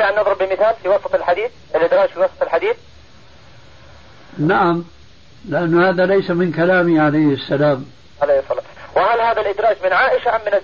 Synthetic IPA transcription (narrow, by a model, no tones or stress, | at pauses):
aʕanːɑðˤɾɨbbɪmɪθaːlfiwɑsˤɑt̪ˤɪlħad̪iːθ | ʔɪlʔɪd̪ɾˤɑːd͡ʒfiwɑsˤɑt̪ˤɪlħad̪iːθ | naʕam | lɪʔanːhaːðalajsamɪnkalaːmiʕalajhɪsːalaːm | ʕalajhsˤːɑlːwɪhalhaːðalʔɪd̪ɾˤɑːd͡ʒmɪnʕaːʔɪʃamːɪna